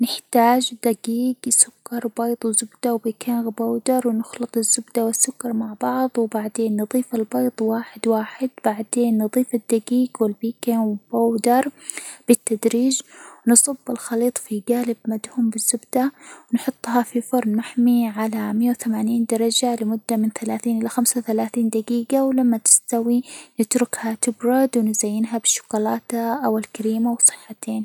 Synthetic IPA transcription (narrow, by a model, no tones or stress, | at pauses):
nɪħt̪aːd͡ʒd̪aɡiːɡsʊkːɑɾˤwbɑjt̪ˤwzʊbd̪awbiːkʰeːnɣabawd̪ɑɾˤwnɪxlɨt̪ˤɪzːʊbd̪awɪsːʊkːɑɾˤmaʕbɑʕðˤwbaʕd̪eːnːɨðˤiːfɪlbɑjt̪ˤwaːħɪd̪waːħɪd̪̚b̥aʕd̪eːnːɨðˤiːfɪd̪ːaɡiːɡwɪlbiːkeːnb̥awd̪ɑɾˤb̥ɪt̪ːad̪ɾiːd͡ʒwnɨsˤɑbːɪlxɑliːt̪ˤfiɡaːlɪbmad̪huːmbɪzːʊbd̪̥awnħʊt̪ˤːɦɑfifʊɾˤnmaħmiʕalamɪjːawθamaːniːnd̪ɑɾˤɑd͡ʒalɪmʊd̪ːamɪnθalaːθiːnʔɪlːaxamsawθalaːθiːnd̪aɡiːɡawlamːat̪ɪ̥st̪awinɪt̪ɾʊkhat̪ɪbɾˤɑd̪wnɪzajːɪnɦabɪʃːʊ̥ɡɑlɑːt̪aʔawɪlkaɾiːmawsˤɨ̥ħːat̪ʰeːn